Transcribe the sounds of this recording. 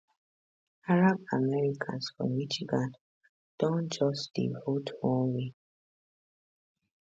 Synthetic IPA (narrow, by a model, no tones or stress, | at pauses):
aɹabamɛɹikʰã̰nsfɹɔ̰̃mmiʃiɡãn | d̥ɔ̃nd͡ʒɔsd̥ḭvotʰwɔ̃nwe